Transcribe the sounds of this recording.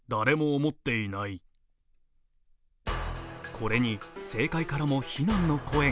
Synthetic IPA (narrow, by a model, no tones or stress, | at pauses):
d̪aɾe̞mo̞ːmo̞t̪ːe̞inai | kʰo̞ɾe̞ɲ̟ise̞ːkaikaɾamo̞çinãnːo̞kʰo̞ẽ̞